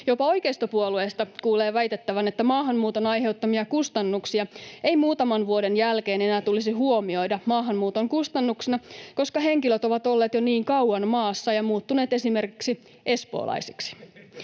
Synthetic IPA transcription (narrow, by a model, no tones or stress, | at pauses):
jo̞pɑo̞jkeist̪opuoluest̪ɑkuːleːʋæjt̪et̪ːæʋænet̪ːæmɑːɦɑmmuːt̪o̞nɑjɦe̞ut̪ːɑmiɑkust̪ɑnːuksiɑejmuːt̪ɑmɑnʋuodenjælke̞ːne̞næːt̪ulisiɦuo̞mio̞jdɑmɑːɦɑmmuːt̪oŋkust̪ɑnːuksinɑko̞skɑɦe̞ŋkiløt̪o̞ʋɑt̪o̞lːe̞ːt̪joniːŋkɑwɑnmɑːsːɑjɑmuːt̪ːune̞ːt̪e̞sime̞rkiksi | ʔe̞spo̞̰ːlʔɑ̰jsi̥ksi̥